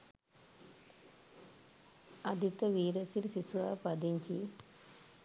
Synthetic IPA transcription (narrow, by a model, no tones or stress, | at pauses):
ɐd̪ʱit̪ːɐʋiːɾɐsilsisʋaːpɐd̪iɲd͡ʒi